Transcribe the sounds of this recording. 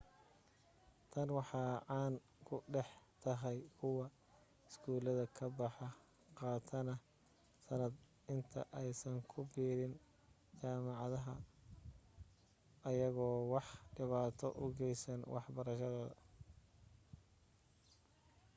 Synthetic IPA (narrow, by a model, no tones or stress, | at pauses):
t̪ʰɐnwɑħɑːʕɑːn | kʰʊɖɛħt̪ʰɐɦɛjkʰʊwɑ | ɪsɡuːlɐðɐkʰɐbɑħɑ | qɑːt̪ʰɐnɐ | sɐnɐd̪ | ɪnt̪ʰɐ̰ʔɛjsɐŋkʰʊbiːɾɪn | t͡ʃaːmɑʕɑðɐɦɐ | ɐjɐɣɔːwɑħɖɪβaːt̪ʰɔ̰ʔʊɡɛjsɐnwʔɑ̰ħbɐɾɐʃɐðɔːðɐ̰